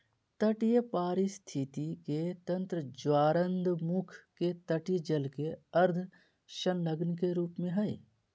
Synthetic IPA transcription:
t̪ɐʈjəpaːɾist̪ʰit̪iket̪ɐ̃nt̪ɾəd͡ʒwaːɾənd̪mukʰket̪ɐʈɪjəd͡ʒəlkeɐɾd̪ʱ | ʃɐnləɡnkeɾuːpmẽɦɐj

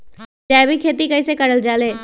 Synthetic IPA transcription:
d͡ʒɛːbʱikʰeːt̪ikɐisekɐɽəld͡ʒaːleː

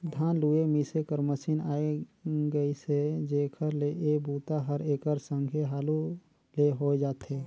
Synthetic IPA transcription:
d̪ʱaːnluemisekəɾməsinaːeɡəised͡ʒekʰəɾleʔebuːt̪aɦəɾeːkəɾsə̃ŋɡʱeɦaːlu | leɦoed͡ʒaːt̪eː

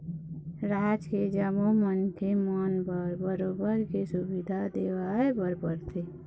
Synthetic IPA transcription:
ɾaːd͡ʒked͡ʒəmomənkemɔːnbəɾbəɾoːbəɾkesʊbɪd̪ʱad̪eːʋaːebəɾbəɾt̪ʰe

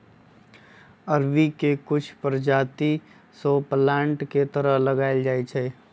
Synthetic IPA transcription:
əɾbikekʊt͡ʃʰpəɾd͡ʒaːt̪i | soplãːɳʈket̪əɾəɦləɡaːɪld͡ʒaːet͡ʃʰɛː

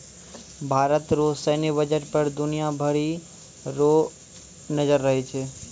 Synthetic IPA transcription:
bʱaɾət̪ɾosəniʋəd͡ʒəɾpəɾd̪ʊnijabʱəɾi | ɾo | nəd͡ʒəɾːəɦet͡ʃʰe

